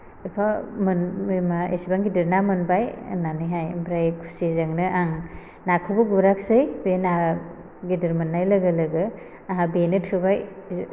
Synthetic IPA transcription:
ipʰamɯnmaʔḛsibaŋɡidiɾnamɯnbaj̰naniɦajmbɾajkʰu̥sizaŋnɯaŋ | nakʰɯbɯɡuɾak̚sɯjbena | ɡidiɾmɯnːajlɐɡɯlɯɡɯ | aɦabenɯtʰɯbaj

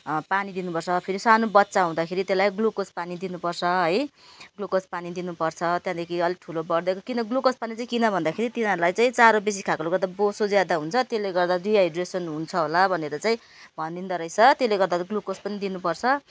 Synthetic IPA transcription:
panid̪inupʌrt͡sʰʌpʰeɾisanobʌt̪ːsaɦũd̪akʰeɾit̪elajɡlokospanid̪inupʌrt͡sʰʌɦʌj | ɡlokospanid̪inupʌrt͡sʰʌt̪jãd̪ekʰiʌliʈʰulobʌɽd̪ʌkokinʌɡlokospanit͡saĩkinʌbʱʌnd̪akʰeɾit̪inɦʌɾulajt͡saĩt͡saɾobes̬ikʰakoɾuɡʌɾd̪abosod͡zjad̪aɦunt͡sʰʌt̪eleɡʌrd̪ariajɖresʌnɦunt͡sʰʌɦolabʱʌneɾʌt͡saĩ | bʱʌnd̪ind̪ʌɾʌjt͡sʰʌt̪eleɡʌɾd̪aɡlokospʌnid̪inupʌrt͡sʰʌ

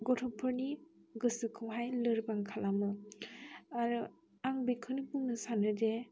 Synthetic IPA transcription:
ɡɔtʰɔpʰɯɾniɡɯsɯkʰɯwɦajlɯɾbaŋkʰalamɯ | aɾu | aŋbikʰɯnibuŋnɯsanɯde

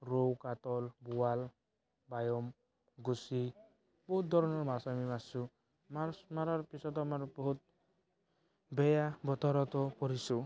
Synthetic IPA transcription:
ɾowkat̪ɔlbuwal | bajɔm | ɡusi | bɔɦut̪̚d̪ʱɔɾɔnɔɾmasamimasu | maɾmaɾaɾpisɔt̪amaɾbɔɦut̪̚ | bɛjabɔt̪ɔɾɔt̪ɔpɔɾisu

